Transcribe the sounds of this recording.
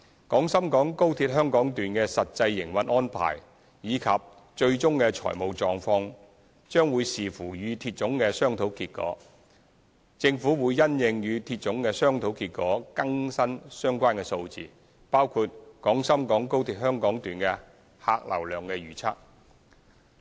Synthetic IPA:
kɔː˨˥ŋsɐ˥mkɔː˨˥ŋko˥wt̪ʰi˧t̚ɦhœː˥ŋkɔː˨˥ŋt̪yː˨nkɛː˧sɐ˨t̚t͡sɐ˧jːɪ˨˩ŋwɐ˨n̚ʔɔː˥npʰa̰ː˨˩j | jiː˨˧kʰɐ˨p̚ | t͡ʃɵ˧ɥt͡ʃʊ˥ŋkɛ˧t͡ʃʰɔ̰ː˨˩jmo˨˧wt͡sɔː˨ŋfɔː˧ŋ | t͡ʃœː˥ŋwuː˨˧jsiː˨fuː˨˩jyː˨˧t̪ʰiː˧t̚t͡sʊ˨˥ŋkɛː˧sœː˥ŋt̪ʰo˨˥wkiː˧t̚kɔ̰ː˨˥ | t͡sɪ˧ŋfuː˨˥wuː˨˧jːɐ˥njɪ˨˧ŋjyː˨˧t̪ʰiː˧t̚t͡sʊ˨˥ŋkɛ˧sœː˥ŋt̪ʰo˨˥wkiː˧t̚kɔː˨˥kɐ˥ŋsɐ˥nsœː˥ŋkʷaː˥nkɛ˧so˧wt͡sḭː˨˧ | paː˥wkʰuː˧t̚kɔː˨˥ŋsɐ˥mkɔː˨˥ŋko˥wt̪ʰiː˧t̚hœː˥ŋkɔː˨˥ŋt̪yː˨˩nkɛ˧ | ha̰ː˧k̚lɐ̰˨˩wlœː˨˩ŋkɛ˧ɥyː˨˩t͡sʰa̰ː˥k̚

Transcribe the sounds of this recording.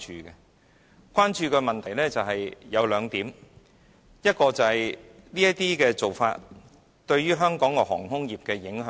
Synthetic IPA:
t͡ʃyː˨˧kɛ˧ | kʷwaː˥nt͡ʃyː˧kɛː˧mɐ˨nt̪ʰɐ˨˩jlɛː˥t͡sɐ˨wɦɐ˨jjɐ˨˧wlœː˨˧ŋt̪iː˨˥m | jɐ˥t̚kɔː˧t͡sɐ˨˩hɐ˨jliː˥jɐ˥t̚t̪iː˥kɛː˧t͡so˨wfa̰ː˧t̚ | t̪ɵ˧ɥɥyː˥ɦœː˥ŋkɔː˨˥ŋkɔ˧hɔ̰ː˨˩ŋɦʊ˥ŋjiː˨˩p̚kɛː˧jɪ˨˥ŋɦœː˨

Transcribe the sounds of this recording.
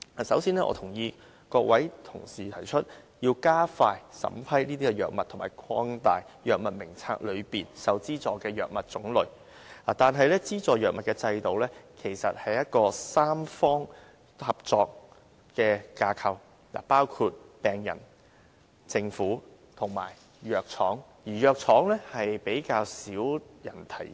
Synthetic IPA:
a˨sɐ˨˥wsiː˧nɛː˥ʔɔ̰ː˧t̪ʰʊ˨˩ŋjiː˧ | kɔː˧k̚wɐ˨˥jt̪ʰʊ̰˨˩ŋsiː˨˩t̪ʰɐ˨˩jt͡ʃʰɵ˥t̚jiː˧wkaː˥faː˧jsɐ̰˨˧˥mpʰɐ˥jniː˥t̪iː˥kɛ˧jœː˨k̚mɐ˨tʰʊ˨˩maː˨˩jkʰɔː˥ŋt̪aː˨jjœː˨k̚mɐ˨t̚mɪ˨˩ŋt͡sʰa̰ː˧˥k̚lɵ˨˧ɥpiː˨nsɐ˨wt͡siː˥t͡sɔː˨kɛː˧jœː˨k̚mɐ˨t̚t͡sʊ˨˥ŋlɵ˨˧ɥ | a̰ː˨˩t̪aː˨nɦɐ˨jlɛː˥t͡siː˥t͡sɔː˨jœː˨k̚mɐ˨t̚kɛː˧t͡sɐ˧jt̪o˨wlɛː˥kʰe˨˩jsɐ˨t̚hɐ˨jjɐ˥t̚kɔː˧saː˥mfɔː˥ŋ | hɐ˨p̚t͡sɔː˨k̚ | kɛː˧kaː˧kʰɐ˨w | la̰ː˨˩paː˥wkʰuː˧t̚pɛː˨ŋjɐ̰˨˩n | t͡sɪ˧ŋfuː˨˥ | t̪ʰʊ˨˩ŋma̰ː˨˩j | jœː˨˧k̚t͡sʰɔː˨˥ŋjiː˨˩jœː˨˧k̚t͡sʰɔː˨˥ŋlɛː˥hɐ˨jpe˨˥jkaː˧wsiː˨˥wjɐ̰˨˩nt̪ʰɐ˨˩j

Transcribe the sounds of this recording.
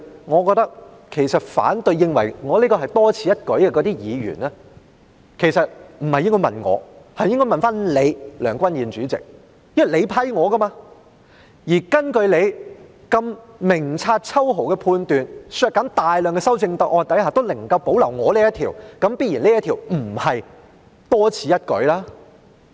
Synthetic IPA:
ŋɔː˨˧kɔː˧k̚t̪ɐ˥k̚ | kʰe˨˩jsɐ˨t̚fa̰ː˨˥nt̪ɵ˧ɥjːɪ˧ŋwɐ˨˩jŋɔː˨˧liː˥kɔː˧ɦɐ˨˩jt̪ɔː˥t͡sʰiː˨˧jɐ˥t̚kɵ˨˥ɥkɛː˧kɔː˨˧˥t̪iː˥jiː˨˧ɥy̰ː˨˩naː˥ | kʰe˨˩jsɐ˨t̚m̩˨˩hɐ˨jːɪ˥ŋkɔ˥mɐ̰˨nŋɔ̰ː˨˧hɐ˨jɪ˥ŋkɔ˥jmɐ˨nfaː˥nle˨˧jlœ̰ː˨˩ŋkʷɐ˥njiː˨nt͡ʃyː˨˥t͡sɪ̰˨k̚ | jɪ˥wɐ˨˩jle˨˧jpʰɐ˨˥jŋɔː˨˧ɡɐ˥maː˧ | jiː˨˩kɐ˥nkɵ˧ɥle˨˧j | kɐ˧mmɪ˨˩ŋt͡sʰaː˧t̚t͡sʰɐ˥wɦo˨˩wkɛ˧pʰuː˧nt̪yː˨nsœː˧k̚ːɐ˨˥nt̪aː˨jlœː˨ŋkɛ˧sɐ˥wt͡sɪ˧ŋt̪ɐ˨˥k̚ʔɔː˧nt̪ɐ˨˥jhaː˨˩t̪o˥wlɐ˨˩ŋkɐ˧wpo˨˥wlɐ˨˩wŋɔː˨˧leː˥jɐ˥t̪ʰiː˨˩wkɐ˨˥mpiː˥t̚jiː˨˩nliː˥jɐ˥t̪ʰiː˨˩wm̩˨˩hɐ˨j | t̪ɔː˥t͡sʰiː˨˧jɐ˥t̚kɵ̰˨˥ɥlaː˥

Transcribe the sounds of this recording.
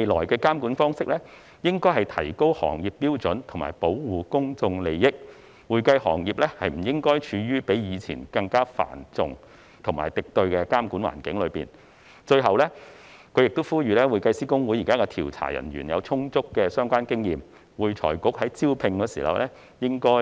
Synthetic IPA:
e˨˧jlɔː˨˩jkɛː˧kaː˥mkuː˨˥nfɔː˥ŋsɪ˥k̚lɛ˥ | jɪ˥ŋkɔː˥jɦɐ˨jt̪ʰɐ˨˩jko˥whɔ̰ː˨˩ŋji˨pːiː˥wt͡sɵ˨˥nt̪ʰʊ˨˩ŋma̰ː˨˩jpo˨˥wwuː˨kʊ˥ŋt͡sʊ˧ŋle˨jjɪ˥k̚ | wuː˨˧jkɐ˧jhɔ̰ː˨˩ŋjiː˨˩p̚lɛ˥hɐ˨jm̩˨˩jɪ˥ŋkɔː˥jt͡ʃʰyː˨˧ɥyː˥pe˨˥jjiː˨˧t͡sʰḭː˨˩nkɐ˧ŋkaː˥fa̰ː˨˩nt͡sʊ̰˨ŋ | t̪ʰʊ˨˩ŋmaː˨˩jt̪ɪ˨k̚t̪ɵ˧ɥkɛ˧kaː˥mkuː˨˥nwa̰ː˨˩nkɪ˨˥ŋlɵ˨˧ɥpiː˨n | t͡ʃɵ˧ɥɦɐ˨wlɛ˥ | kʰɵ˨˧ɥjɪ˨k̚t̪o˥wfuː˥ɥyː˨˧lɛː˥wuː˨˩jkɐ˧jsiː˥kʊ˥ŋwu˨˥jiː˨˩kaː˥kɛ˧t̪ʰiː˨˩wt͡sʰa̰ː˨˩jɐ̰˨˩nɥyː˨˩njɐ̰˨˧wt͡sʰʊ˥ŋt͡sʊ˥kːɛː˧sœː˥ŋkʷaː˥nkɪ˥ŋjiː˨m | wuː˨˧jt͡sʰɔ̰ː˨˩jkʊ˨˥k̚hɐ˨˥jt͡siː˥wpʰɪ˧ŋkɔː˧sḭː˨˩hɐ̰˨wlʔɛ˥ | jɪ˥ŋkɔː˥

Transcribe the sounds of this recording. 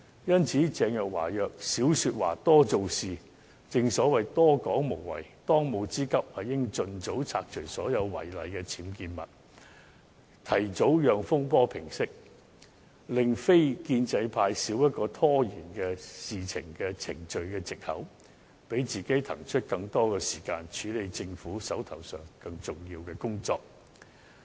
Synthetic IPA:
jɐ˥nt͡sʰiː˨˥t͡sɛː˧ŋjɐ˨˩k̚wa̰ː˨˩jœː˨k̚siː˨˥wsyː˧t̚wa̰ː˨˩t̪ɔː˥t͡so˨˧wsiː˨ | t͡sɪ˨ŋsɔː˨˥wɐ˨˩jt̪ɔː˥kɔː˨˥ŋmo˨˩wwɐ̰˨˩jt̪ɔː˥ŋmo˨˧wt͡siː˥kɐ˥p̚hɐ˨jːɪ˥ŋt͡ʃɵ˧nt͡so˨˥wt͡sʰaː˧k̚t͡ʃʰɵ˨˩ɥsɔː˨˥jɐ˨˧wwɐ̰˨˩jlɐ˨jkɛː˧t͡sʰiː˨˥mkiː˧nmɐ̰˨˩t̚ | t̪ʰɐ˨˩jt͡so˨˥wjœː˨ŋfʊ˥ŋpɔː˥pʰɪ˨˩ŋsɪ˥k̚ | lɪ˨ŋfe˥jkiː˧nt͡sɐ˧jpʰaː˧jsiː˨˥wjɐ˥t̚kɔː˧t̪ʰɔː˥jiː˨˩nkɛː˧siː˨t͡sʰɪ˨˩ŋkɛː˧t͡sʰɪ˨˩ŋt͡ʃɵ˨˧ɥkɛː˧t͡sɪ˨k̚hɐ̰˨˥w | pe˨˥jt͡siː˨˩ke˨˥jt̪ʰɐ˨˩ŋt͡ʃʰɵ˥t̚kɐ˧ŋt̪ɔː˥kɛː˧siː˨˩kaː˧nt͡ʃʰyː˨˥le˨˧jt͡sɪ˧ŋfuː˨˥sɐ˨˥wt̪ʰɐ˨˩wsœː˨ŋkɐ˧ŋt͡sʊ˨˩ŋjiː˧wkɛː˧kʊ˥ŋt͡sɔː˧k̚

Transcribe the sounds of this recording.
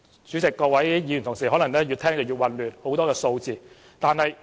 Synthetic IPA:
t͡syː˨˥t͡sɪ˨kːɔː˧wɐ˨˥jjiː˨˧jnt̪ʊ˨ŋs̬iː˨˩ɔː˨˥lɐ˨˩ŋnɛː˥jyː˧t̪ʰɛː˥ŋt͡sɐ˨wjyː˨˧t̚wɐ˨nlyː˨nho˨˥wt̪ɔː˥kɛː˧so˧wt͡siː˨ | t̪aː˨˧nhɐ˨j

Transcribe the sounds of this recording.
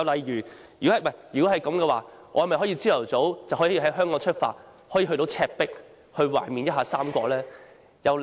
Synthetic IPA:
ɐ˨˧wlɐ˨˩jɥyː˨˩ | jyː˨˩khɐ˨jmɐ˨˩jjyː˨˩ko˨˥hɦɐ˨jkɐ˨˥mkɛː˧waː˨˩ | ʔɔː˨˧jɐ˨˩mɐ˨jɦɔː˨˥jiː˧t͡siː˥lɐ˨˩wt͡so˨˥wt͡sɐ˨wɦɔː˨˥˧i˧ɦɐ˨˥jɦœː˥ŋkɔː˨˥ŋt͡ʃʰɵ˥t̚fa̰ː˧t̚ | hɔː˨˥ji˧ɦɵ˧t̪o˨˧˥wt͡sʰɛː˧k̚pɪ˥k̚ | hɵ˧ɥwa̰ː˨˩nmiː˨njɐ˥ɦaː˧saː˥mkʷɔː˧lɛː˥ | jɐ˨˧w

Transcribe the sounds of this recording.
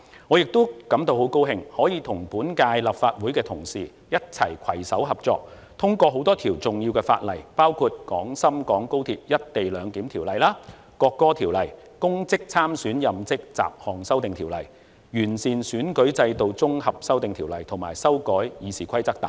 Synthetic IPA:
ŋɔː˨˧jɪ˨k̚t̪o˥wkɐ˨˥mt̪o˧who˨˥wko˥wɦɪ˧ŋhɔː˨˥jiː˨˧t̪ʰʊ˨˩ŋpuː˨˥nkaː˧jlɐ˨pfaː˧t̚wuː˨˥jkɛː˧t̪ʰʊ˨˩ŋsḭː˨ | jɐ˥t̚t͡sʰɐ̰˨˩jkʷʰɐ˨˩jsɐ˨˥wɦɐ˨p̚t͡sɔ̰ː˧k̚ | t̪ʰʊ˥ŋkʷɔː˧ɦo˨˥wt̪ɔː˥t̪ʰiː˨˩wt͡sʊ˨ŋjiː˧wkɛː˧fa̰ː˧t̚lɐ˨˩jpaː˥wkʰu˧t̚kɔː˨˥ŋsɐ˥mkɔː˨˥ŋko˥wt̪ʰiː˧p̚jɐ˥t̚t̪e˨jlœː˨˧ŋt̪iː˨˥mt̪ʰiː˨˩wlɐ˨˩jlaː˥ | kɔː˧kːɔː˥t̪ʰiː˨˩wlɐ˨˩j | kʊ˥ŋt͡sɪ˥k̚t͡sʰaː˥msyː˨˥njɐ˨mt͡sɪ˥k̚t͡sa̰ː˨p̚hɔː˨˩ŋsɐ˥wt̪ɪ˨ŋt̪ʰiː˨˩wlɐ̰˨˩j | jyː˨˩nsiː˨˩nsyː˨˥nkɵ˨˥ɥt͡sɐ˧jt̪o˨˧wt͡sʊ˥ŋhɐ˨p̚sɐ˥wt̪ɪ˨ŋt̪ʰiː˨˩wlɐ˨˩jt̪ʰʊ˨˩ŋmaː˨˩jsɐ˥wkɔː˨˥jjiː˨˧siː˨˩kʰɐ˥jt͡sɐ˥k̚t̪a̰ː˨˦

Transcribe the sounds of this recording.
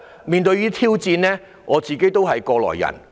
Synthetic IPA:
miː˨˧nt̪ɵ˧ɥiː˥t̪ʰiː˥wt͡siː˧nlɛː˥ | ŋʔɔː˨˧t͡siː˨˩ke˥jt̪o˥wɦɐ˨jkɔː˧lɔ̰ː˨˩jːɐ̰˨˩n

